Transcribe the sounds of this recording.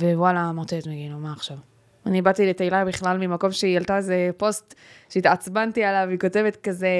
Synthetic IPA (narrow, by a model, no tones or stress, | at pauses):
vewalamotet̪meɡinumaːχʃav | anibat̪iletejlajbiχlalmimako̞mʃeialt̪aezepo̞stʃeit̪at͡sbantialaviko̞te̞vet̪kaze